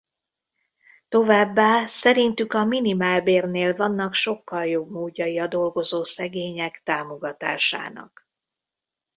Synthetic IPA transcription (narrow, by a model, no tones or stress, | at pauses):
t̪o̞vaːbːaːsɛɾint̪ykɒminimaːlbeːrneːlvɒnːɒkʃo̞kːɒljo̞bmoːɟːɒiɒd̪o̞lɡo̞zoːsɛɡeːɲɛkt̪aːmo̞ɡɒt̪a̰ːʃa̰ːnɒ̰k